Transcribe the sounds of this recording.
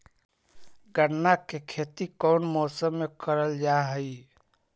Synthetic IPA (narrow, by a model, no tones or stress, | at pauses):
ɡəɽnakekʰeːt̪ikɔːnmɔːsəmːekəɾəld͡ʒaɦəi